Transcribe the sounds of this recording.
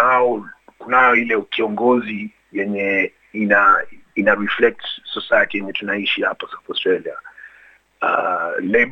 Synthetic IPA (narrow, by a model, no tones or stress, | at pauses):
aɔkunajɔilɛkiɔŋɡɔzi | jɛɲɛ | inainaɾiflɛk̚tsɔsajakɛjɛɲɛtunaiʃihapasaθastɹɛlia̰ | a̰lɛ